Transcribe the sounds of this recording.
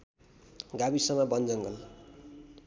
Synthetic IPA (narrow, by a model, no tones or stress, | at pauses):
ɡabisʌmʌbʌnd͡zʌŋɡʌl